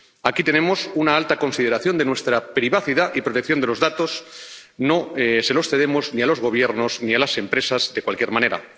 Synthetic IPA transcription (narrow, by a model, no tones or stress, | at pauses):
akit̪e̞nẽ̞mo̞sunaalt̪ako̞nsið̞eɾaθjo̞nd̪e̞nwe̞st̪ɾapɾiβaθiðaʔipɾot̪ekθjo̞nd̪e̞lozðat̪o̞s | no̞ese̞lo̞sθe̞ðe̞mo̞znialo̞zɣo̞β̞jeɾnoznialase̞mpɾe̞sazðe̞kwalkje̞ɾmãne̞ɾa̰